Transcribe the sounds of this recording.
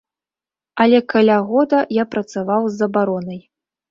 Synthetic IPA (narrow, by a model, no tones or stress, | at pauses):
ɐlʲɛkalʲaɣɔd̪ɐjapɾɐt̪savawzːɐbaɾɔnɐj